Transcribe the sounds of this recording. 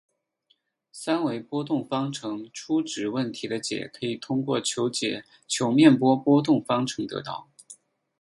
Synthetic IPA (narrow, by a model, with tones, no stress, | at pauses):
sa˥nwe˧˥ɪpwɔ˥t̪ʊ˥˩ŋfɑ˥ŋʈ͡ʂʰɤ˧˥ŋʈ͡ʂʰu˥ʈ͡ʂɻ̩˨˩wə˥˩nt̪ʰi˧˥d̪ə˧t͡ɕjɛ̰˨˩kʰɤ˧˥i˨˩t̪ʰʊ˥ŋkwɔ˥˩t͡ɕʰjo˧˥ʊt͡ɕjɛ̰˨˩˦ | t͡ɕʰjo˧˥ʊmjɛ˥˩npwɔ˥pwɔ˥t̪ʊ˥˩ŋfɑ˥ŋʈ͡ʂʰɤ˧˥ŋt̪ɤ̰˧˥t̪ɑ̰˥˩ʊ